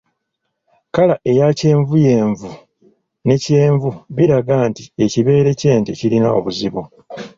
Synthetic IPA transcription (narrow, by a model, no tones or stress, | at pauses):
kalaʔe̞jace̞ːɱvuje̞ːɱvu | ne̞ce̞ːɱvuβiɾaɡaːntie̞ciβe̞ːɾe̞ce̞ːntecilinao̞̰βuziβu